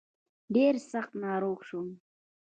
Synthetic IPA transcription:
ɖeːɾsaχt̪nɑːɾoːkʃu

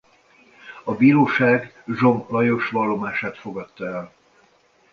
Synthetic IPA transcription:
ɒbiːɾoːʃaːɡ | ʒo̞mplɒjo̞ʃʋɒlːo̞maːʃaːt̪fo̞ɡɒt̪ːɒɛl

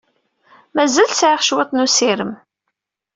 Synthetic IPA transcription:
mæzælsʕɪʁʃwet̪ˤnusiɾəm

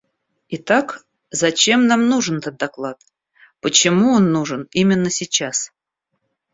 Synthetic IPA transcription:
it̪ak | zɐt͡ɕemnamnuʐɨnt̪ət̪̚d̪ɐklˠat̪̚ | pət͡ɕɪmuonːuʐɨnimʲɪnːəsʲit͡ɕas

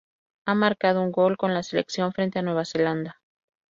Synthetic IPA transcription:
amaɾkað̞o̞uŋɡo̞lko̞nlase̞le̞̰ksjo̞ɱfɾe̞nt̪e̞anwe̞β̞ase̞land̪a

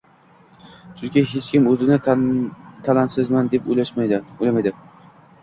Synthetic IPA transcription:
t͡ʃʰʊŋkʲɪɦet͡ʃkʲɪmɵzɪnɪ | t̪ʰalant̪sɪzmand̪epolaʃmajd̪ɪolʲamajd̪ɪ

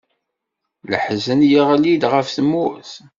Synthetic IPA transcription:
lə̰ħzənjiʁælid̪ʁəfθmʊθ

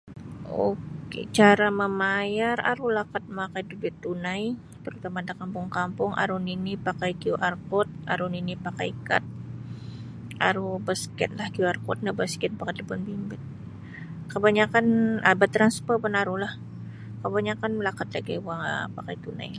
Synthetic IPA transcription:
o̰kḛt͡ʃaɾaməmajara̰ɾulakat̪̚makajdud͡ʒut̪unaj | t̪əɾut̪amadakampʊŋkampʊŋʔa̰ɾuninipakajkiuʔarkɔt̪̚ʔaɾuninipakajkat̪̚ | a̰ɾubəskɛ̰t̪lahkiuarkɔ̰t̪̚nabəskɛt̪̚pakajdəbʊnbimbɪt̪̚ | kəbaɲakanəbət̪ɾanspərbənaɾulah | kəbaɲakanlakat̪̚laɡawaŋ̰pakajt̪una̰ja

